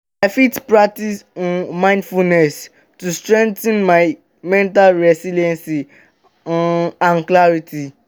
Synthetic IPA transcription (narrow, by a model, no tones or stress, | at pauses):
ɛfitpɹak̚tisɔ̃nmãɪ̃ndfulnɛs | tustɹɛ̃ŋk̚tɛ̃nmaj | mɛ̃ntalɹɛsilɛ̃nsi | ãnklaɾiti